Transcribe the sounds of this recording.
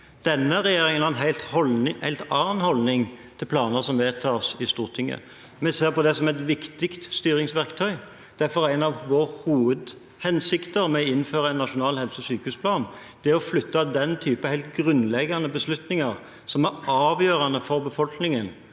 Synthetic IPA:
d̪̥ɛnːəɾɛjeːɾɪŋənhɑʁɛnɦæɪlt̪hɔlɪhæɪlt̪ɑːnhɔlnɪŋt̪ʰɪlpʰlɑːnəʁsɔmʋeːt̪ʰɑːsɪst̪uːʁt̪ʰɪŋːə̰ | mɛseːʁpɔd̪ɛsɔmɛt̪ʋɪkt̪ɪkt̪st̪yːɾɪŋsʋæʁkt̪ʰœʏ | d̪̥æfɔʁæɪnɑʋʋoːʁhuːʋəd̪ | hɛnsɪkt̪əɾmɛɔɪnføːɾʁɑæɪnːɑʂʊnɑːlhɛlsəsyːkəʉːspʰlɑːnd̪̥ɪɔflʏt̪ːɑd̪ɛnt̪ʰyːpəhæɪlt̪ɡɾʉnlɛɡɑnəbəslʉt̪nɪŋɑɾ | sɔmæɾɑːʋjøːɾɑnəfɔɾbəfɔlknɪŋən

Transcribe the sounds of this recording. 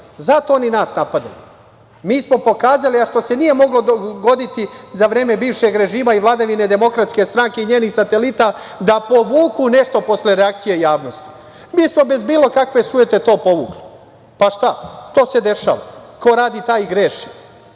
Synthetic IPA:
zat̪o̞oninaːsnapad̪a̰ju | miːsmo̞po̞kaːzaliaʃt̪o̞se̞nije̞mo̞ɡlo̞d̪oɡo̞d̪it̪izaʋɾe̞ːme̞biːʋʃe̞ɡɾe̞ʒiːmaiʋlˠad̪aʋine̞d̪e̞mo̞kɾat̪ske̞st̪ɾaŋke̞iɲe̞ːnixsat̪e̞lit̪a | d̪apo̞ʋuːkune̞ʃt̪o̞po̞sle̞ɾeakt̪sijeijaːʋno̞st̪i̥ | miːsmo̞be̞zbiːlˠo̞kakʋe̞suje̞t̪e̞t̪o̞ːpo̞ʋuːkli | paʃt̪at̪o̞ːse̞d̪e̞ʃa̰ːʋa̰ko̞ɾaːd̪it̪aːjɡɾe̞ʃi

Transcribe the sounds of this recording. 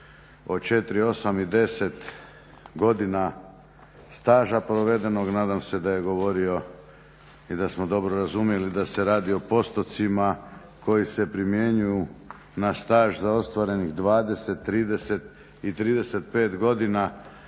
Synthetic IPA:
o̞t͡ʃe̞t̪ɾio̞samid̪e̞se̞t̪ | ɡo̞d̪ina | st̪aːʒapɾo̞ʋe̞d̪e̞no̞ɡnaːd̪amse̞d̪aje̞ɡo̞ʋo̞ɾio̞ | id̪asmo̞d̪o̞bɾoɾazumje̞lid̪ase̞ɾaːd̪io̞po̞st̪o̞t̪sima | kʰo̞jise̞pɾimje̞ɲuju | nast̪aːʒzao̞st̪ʋaɾe̞niɣd̪ʋaːd̪e̞set̪ːɾiːd̪e̞se̞t̪ | it̪ɾiːd̪e̞se̞t̪̚pe̞ːt̪ɡo̞d̪ina

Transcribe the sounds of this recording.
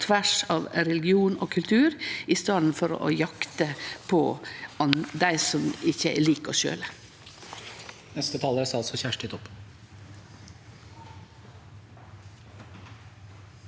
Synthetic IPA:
t̪ʰʋæʂɑʋɾɛlɪɡɪuːno̰ːkʰʉlt̪ʰʉːɾiːst̪ɑːd̪n̩fɔɾ̰ʔo̰jɑkt̪əpʰɔːɑnd̪æɪsɔmɪçəæ̰liːkɔ̰ːʃø̰ːlə | nɛst̪ət̪ʰɑːləɾsɑlsɔçæʂʈɪt̪ʰɔpː

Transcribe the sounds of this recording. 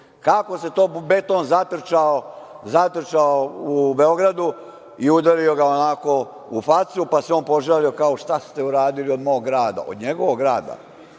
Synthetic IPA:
kako̞se̞t̪oːbe̞t̪o̞ːnzat̪r̩t͡ʃao | zat̪r̩t͡ʃaoube̞o̞ɡɾad̪u | iud̪alio̞ɡaonako | ufat̪supaseo̞ːnpo̞ʒalio̞kaoʃt̪ast̪e̞uɾaːd̪iliod̪mo̞ːɡːɾaːd̪a̰ʔo̰d̪ɲe̞ɡo̞ʋoɡɡɾaːd̪a̰

